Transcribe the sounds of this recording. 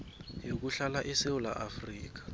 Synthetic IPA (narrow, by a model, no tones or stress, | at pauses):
jok̬uɬalaʔɛsewulaʔafriːk̬ḁ